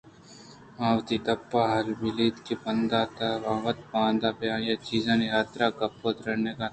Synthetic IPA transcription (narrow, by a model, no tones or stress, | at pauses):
maːʋt̪it̪ɐpːaɦɐlbɪliːt̪kipɐnd̪at̪ɐʋaːʋət̪pãːnd̪aːpjãːjat͡ʃiːzãːniɦaːt̪ɾakɐpːot̪ɾɐneka